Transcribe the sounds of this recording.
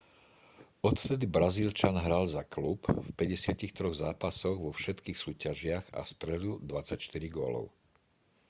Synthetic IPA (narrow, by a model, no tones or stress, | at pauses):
ɔt̪ft̪ɛd̪ibɾaziːlt͡ʃanɦɾalzaklupfpɛɟɛsɪacixt̪ɾɔɣzaːpasɔɣʋɔfʃɛt̪kiːxsuːcaʒɪaɣa̰st̪ɾɛd̪ud̪ʋat͡sacʃt̪iɾiɡɔ̰lɔ̰ʊ